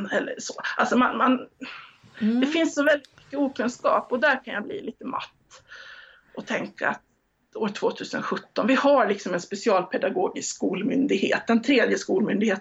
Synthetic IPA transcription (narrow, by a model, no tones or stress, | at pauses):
ɛlːə̰ʂɔalsɔmanman | d̪ɛfɪnsːɔvɛld̪ɪt̪̚mʏ̥kːəuːkʰɵnskɑ̰ːpɔd̪æɾkʰanjablḭːliːt̪əma̰t̪ː | ʔɔt̪ʰɛŋka̰a̰t̪ | oːʈʰv̥oːt̪ʰʉ̟ːsənɧɵt̪ːɔnvɪhaɭɪksɔmɛnspɛsɪɑːlpʰɛd̪aɡoːɡɪskuːlmʏnd̪ɪɡhḛːt̪̚d̪ɛnt̪ʰɾeːd̪jəskuːlmʏnd̪ɪɡeːt̪